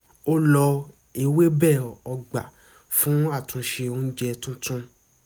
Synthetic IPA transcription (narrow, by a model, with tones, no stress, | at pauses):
o˦lɔ˧ | e˧˨we˦bɛ˦˨ɔ˧ɡ͡ba̰˨ | fũ˨˦a˦˨tʰũ˧ʃe˧o˧˦n̩˦d͡ʒɛ˧tũ˦tũ˦